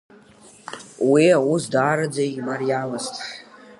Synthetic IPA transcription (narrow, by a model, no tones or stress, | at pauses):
wiawusdaːɾad͡zaimarjalɨstʼħ